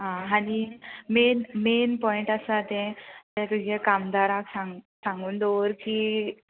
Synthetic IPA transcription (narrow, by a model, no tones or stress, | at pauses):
ɦãaɽ̃imenmenpɔiɳʈasat̪ɛ̃t̪ɛ̃t̪ud͡ʑʱekamd̪aɾaksãŋɡsãŋɡuːnd̪ɔʋəɾkiː